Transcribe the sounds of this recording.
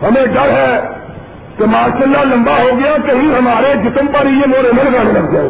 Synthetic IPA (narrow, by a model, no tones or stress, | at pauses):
ɦɐmẽɖɐɾɦɛ | k̪emaːʃəlːalɐ̃mbaɦoːɡɐjakɐɦĩɦɐmaːɾed͡ʒɪt̪əmpəɾijemoːɾemɐ̃nɡaːnelɐɡd͡ʒaːḛ